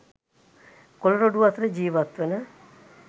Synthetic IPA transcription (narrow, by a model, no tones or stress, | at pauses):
koloɾoɖuʋat̪ɾəd͡ʒiːʋat̪ʋenə